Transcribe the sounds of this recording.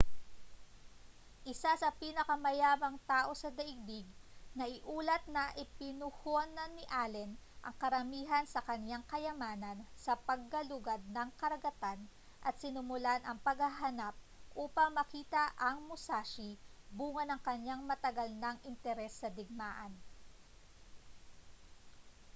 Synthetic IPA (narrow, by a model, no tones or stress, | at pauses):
ʔɪsasɐpiːnɐkɐmɐjaːmɐŋt̪aːʔo̞sɐd̪ɐʔɪɡ̚biɡ̚nɐʔɪʔuːlɐt̪̚nɐʔɪpɪnʊhonɐnːɪʔaːlɛnʔɐ̰ŋkɐɾɐmiːɦɐnsɐkɐɲjaŋkɐjɐmaːnɐnsɐpɐɡ̚ːɐlʊɡad̪̚nɐŋkɐɾɐɡɐt̪an | ʔɐt̪̚sɪnʊmʊlanʔɐŋpɐɡhɐɦɐnap̚ʔuːpɐŋmɐkiːt̪ɐʔɐŋmʊsaːʃibuːŋɐnɐŋkɐɲjaŋmɐt̪ɐɡɐlnɐŋʔɪnt̪ɛɾɛsːɐd̪ɪɡ̚maːʔɐn